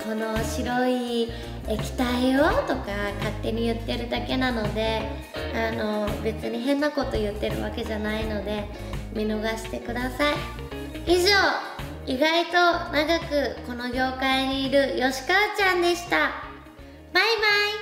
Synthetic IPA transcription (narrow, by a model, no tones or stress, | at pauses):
ko̞no̞ɕiɾo̞i | ekʲi̥t̪aiot̪o̞kakat̪ːe̞ɲ̟ijɯ̟t̪ːe̞ɾɯ̟d̪ake̞nano̞d̪e̞ | ano̞be̞t͡sɨɲ̟iɦẽ̞nːako̞t̪o̞jɯ̟t̪ːe̞ɾɯ̟̰βake̞ʑanaino̞d̪e̞ | mʲino̞ɡaɕi̥t̪e̞kɯ̟d̪asai | iʑo̞ː | iɡait̪o̞naɡakɯ̟ko̞no̞ɡʲo̞ːkaiɲ̟iːɾɯ̟jo̞ɕi̥kat͡ɕãnd̪e̞ɕi̥t̪a | maimai